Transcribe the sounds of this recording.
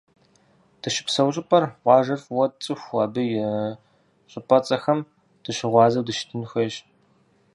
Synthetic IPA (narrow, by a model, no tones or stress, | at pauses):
d̥ɨʃɪ̥psɐwɕʼɪpʼɐrʁʷɑːʒɐfʼwɔt͡sʼɨxʷɐːbɨjɪ | ɕʼɪpʼɐt͡sʼɐxɐm | d̥ɨɕɪʁʷɑːzɐwdɨʃɪ̥tʰɨnxʷɐɕ